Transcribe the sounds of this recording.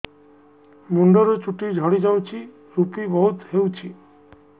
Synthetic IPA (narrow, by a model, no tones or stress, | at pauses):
muɳɖɔɾot͡ʃuʈid͡ʒʱɔɽid͡ʒawt͡ʃʰi | ɾupibɔɦut̪ɦeuwt͡ʃʰi